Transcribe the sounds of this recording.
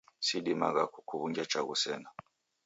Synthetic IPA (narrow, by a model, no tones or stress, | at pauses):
siɗima̰ɣakukʰuβuɲd͡ʒat͡ʃaɣusɛna